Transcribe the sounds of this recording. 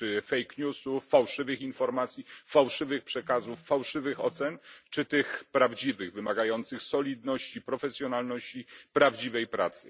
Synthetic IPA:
ɘfɛjkɲʲusuːawʂɘvɘxinfɔɾmat̪sʲjifawʂɘvɘxpʂɛkazufːawʂɘvɘxɔ̰t̪sɛnt͡ʂɘt̪ɘxpɾavd͡ʑivɘɣvɘmaɡajɔnt̪sɘxsɔlʲid̪nɔɕt͡ɕipɾɔfɛsʲjɔnalnɔɕt͡ɕipɾavd͡ʑivɛjpɾa̰t̪sɘ

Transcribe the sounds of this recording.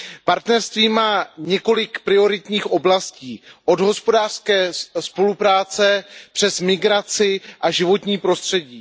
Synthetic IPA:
paɾt̪nɛɾst̪viːmaːɲɛko̞lɪkpɾɪo̞ɾɪt̪ɲiːxʔo̞blasciːʔo̞dɦo̞spo̞daːr̥skɛːspo̞lupɾaːt͡sɛpr̝̥ɛsmɪɡɾat͡sɪʔaʒɪvo̞t̪ɲiːpɾo̞st̪r̝̥ɛɟiː

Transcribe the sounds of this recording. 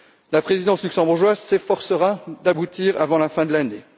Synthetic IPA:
lapχezid̪ɑ̃slyksɑ̃buʁʒwazsefɔʁsəʁad̪abut̪iːʁavɑ̃lafɛ̃d̪əlane

